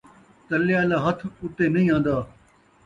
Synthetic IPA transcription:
t̪əlɪjaːlaːɦət̪ʰʊt̪eːnɐĩːãːnd̪aː

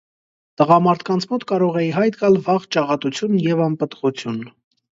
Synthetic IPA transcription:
t̪əʁɑmɑɾt̪ʰkɑnt͡sʰmɔt̪kɑɾɔʁɛjiɦɑjt̪ɡɑlvɑʁt͡ʃɑʁɑt̪ut͡sʰjunjɛvɑmpət̪ʁut͡sʰjun

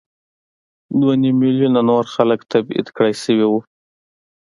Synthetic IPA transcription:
d̪wanimiljunanoɾxaləkt̪abḭd̪kɽajsəwiwu

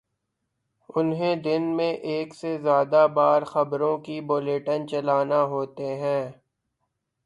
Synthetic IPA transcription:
ʊnɦẽd̪ɪnmẽʔeːksezjaːd̪abaːɾxɐbɾõkiboːleːʈənt͡ʃɐlaːnaɦoːt̪eɦɛ̃ː

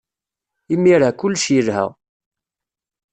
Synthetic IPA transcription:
imːiɾakʊlːʃjəlhæ̰

